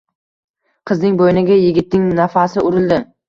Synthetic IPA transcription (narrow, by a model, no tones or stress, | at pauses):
qʰɨznɪŋbojɪnɪɡʲajɪɡʲɪt̪nɪŋnafasɪʔʊɾɪlˠd̪ɪ